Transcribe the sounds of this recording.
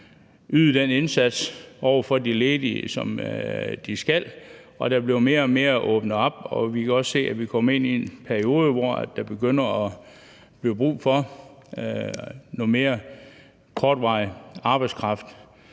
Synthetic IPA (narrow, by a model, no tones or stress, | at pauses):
yðˠd̥ene̝nsæd̥sʔɒʊɐfɒ̽d̥ileːðiəsɒ̽md̥isɡ̥æl̰ | ɒ̽d̥æb̥liʊme̝ːɐme̝ːɐʔɔːb̥nəɒ̽b̥ɒ̽ʋikʰæɒ̽sse̝̰ːæʋikʰɒ̽me̝n̰ienpʰæɐio̝ːð̞ˠəʋɒæ̰d̥ɑ̈b̥e̝ɡ̥øn̰ɐɒ | b̥liʊb̥ʁṵːfɒ̽ | nome̝ːɐ | kʰɒːd̥ʋɑ̈ɪɑ̈ːb̥ɑ̈ɪd̥skʰʁɑ̈fd̥